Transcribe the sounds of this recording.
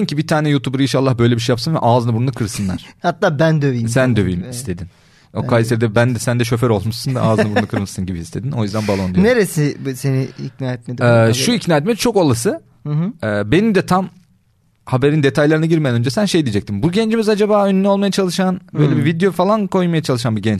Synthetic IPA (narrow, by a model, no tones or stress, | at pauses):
imcibit̪ʰaːnɛjuːt̪ʰubuɾinʃalˠːahbø̞jlʲebiʃ̬ejapsɯnvɛ̰ʔaːznabunakʰɯɾsɯnlˠa̰ɾ̥hat̪ːaːbænd̪øviːsænd̪øvḭmist̪ʰe̞d̪in | okʰajseɾd̪ɛbænd̪ɛsænd̪ɛʃø̞fæɾo̞lˠmuʃsɯnvɛʔaːzɯnabunnakʰɯɾmɯʃsɯnɟibiist̪ʰe̞d̪ino̞jyzd̪ænbalˠond̪ejjneɾesiseniicnaːjɛt̪̚med̪ɛʃuicnaːjɛt̪mɛt͡ʃʰo̞kolˠasɯ | ɛːbe̞nimd̪ɛt̪ʰam | habe̞ɾind̪e̞t̪ʰajlʲˠaɾɯnaɟiɾmejænød͡ʒɛsænʃe̞jd̪ijed͡ʒɛc̚t̪ʰimbuɟɛnd͡ʒimizad͡ʒabaːønynyo̞lˠmajat͡ʃʰalˠɯʃanbø̞jlʲebivid̪eo̞falˠankʰo̞jmajat͡ʃʰalˠɯʃanbiɟɛnt͡ʃ